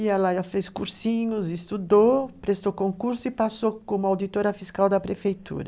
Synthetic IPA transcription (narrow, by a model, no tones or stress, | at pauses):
ialajafeskuɾsĩɲʊzist̪ud̪opɾest̪okõŋkuɾsʊipasokomʊawd̪it̪oɾɐfiskawd̪ɐpɾefejt̪ṵɾɐ